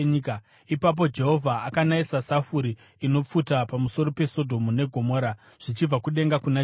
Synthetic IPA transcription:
ika | ipap̬o̞d͡ʒe̞ɦo̞vʱaʔakanaisasafuɾiː | no̞p͡futapamuso̞ɾo̞pe̞so̞dʱo̞mune̞ɡʱo̞mo̞ɾa | ʐ̥it͡ʃib͡vakuɗe̞ŋɡakuna

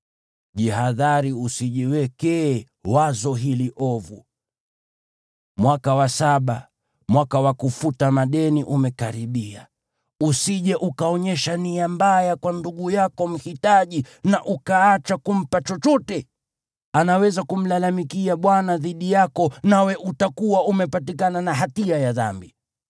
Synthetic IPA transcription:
ʄiɦaðaɾiusiʄiwɛkɛː | wazɔɦiliʔɔvṵ | mwakawasaɓa | mwakawakufutamaɗɛniʔumɛkaɾiɓia | usiʄɛʔukaɔɲɛʃaniambajakwanduɠujakɔm̩hitaʄi | naʔukaat͡ʃakum̩pat͡ʃɔt͡ʃɔtɛ | anawɛzakum̩lalamikiaɓwanaðiɗijakɔnawɛʔutakuwaumɛpatikananaɦatiajaða̰mbi

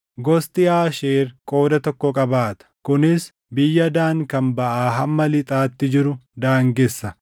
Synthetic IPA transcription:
ɡɔst̪ʼɪaːʃeːɾkʼo̞ːd̪ɐt̪ɔkːɔkʼɐbaːt̪ɐ̥kʊnɪs | bɪjːɐd̪aːŋkɐmbɐʔaːɦɐmːɐlɪt̪ʼaːt̪ːɪd͡ʒɪɾʊd̪aːŋɡɛsːɐ

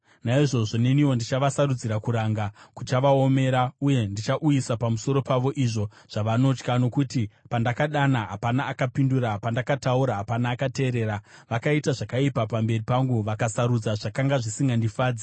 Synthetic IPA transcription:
naiʐo̞ʐo̞ne̞niwo̞ndit͡ʃaʋasarud͡ziɾakuɾaŋɡakut͡ʃaʋaome̞ɾauje̞ndit͡ʃaʔujisapamuso̞ɾo̞paʋo̞ʔiʐo̞ | ʐ̥aʋano̞t͡ʃkano̞kutipandakaɗanaɦapanaːkapinduɾapandakatauɾaɦːpanaːkate̞ːɾe̞ːɾaʋakaitaʐakaipapambe̞ripaŋɡuʋakasaɾud͡zaʐakaŋɡaʐisiŋɡandifaːd͡zi

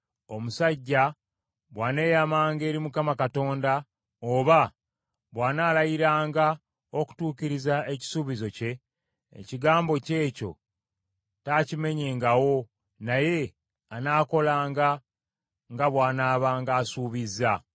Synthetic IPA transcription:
o̞musaɟːa | βwaːne̞ːjamaːŋɡe̞ːɾimukamakato̞ːnda | oβa | βwaːnaːlajiɾaːŋɡa | o̞ku̥tuːciɾizae̞ci̥suːβizo̞ce̞̰ː | ciɡaːmbo̞ce̞ːco̞̰ | taːcime̞ɲe̞ːŋɡawo̞ | naje̞ | anaːko̞laːŋɡa | ŋɡaβwaːnaːβaːŋɡaːsuːβizːa

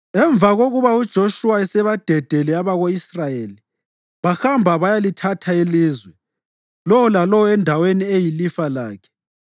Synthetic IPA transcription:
ɛɱvʱaɣoɣuβaud̥ʒ̥ʱoʃuaɛsɛβad̥ʱɛd̥ʱɛlɛaβaɣoisrajeːli | βaxambʱaβajalitʰatʰailiːzwɛ | lɔwɔlalɔwɔɛndʱaweniejilifala̰ːkʰɛ̥

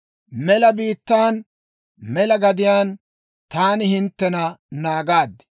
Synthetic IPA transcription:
mɛlɐbiːt̪ːaːn | mɛlɐɡɐd̪ɪjaːn | t̪aːnɪhɪnt̪ːɛnɐnaːɡaːd̪

